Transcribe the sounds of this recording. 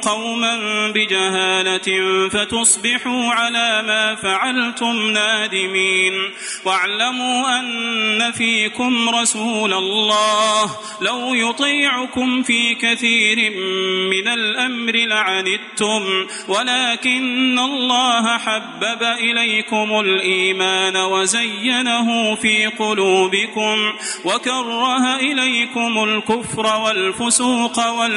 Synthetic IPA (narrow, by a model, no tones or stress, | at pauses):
qɑwmanbɪd͡ʒaɦaːlafat̪ʊsˤbɪħuːʕalaːmaːfaʕalt̪ʊmnaːd̪ɪmiːn | waʕlamuːʔanːafiːkʊmɾˤɑsuːlalːɑːh | lawjʊt̪ˤiːʕʊkʊmfiːkaθiːɾɪmːɪnalʔamɾɪlaʕanɪd̪̚t̪ʊm | walaːkɪnːalˤːɑːɦaħabːabaʔɪlajkʊmʊlʔiːmaːnawazajːanaɦʊːfiːqʊluːbɪkʊmwakɑrˤːɑhaʔɪlajkʊmʊlkʊfɾˤɑwalfʊsuːqɑwa